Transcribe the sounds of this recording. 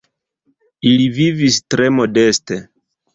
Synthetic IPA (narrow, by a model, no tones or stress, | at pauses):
ilivivistɾe̞mo̞de̞ste̞